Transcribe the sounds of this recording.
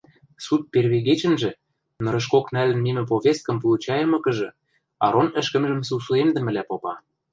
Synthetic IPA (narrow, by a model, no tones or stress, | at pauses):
sut̪̚perβeɣet͡ɕə̆nʒĕ | nɤ̆ɾɤ̆ʃ̬koknælɘ̆nmemɘ̆p̬oβʲest̪̚kɤ̆mpulˠut͡ɕɑjɤ̆mɤ̆kɤ̆ʒɤ̆ | ɑ̰ɾonə̆ʃkə̆mʒə̆msusuemd̪ə̆mɘ̆læpopɑ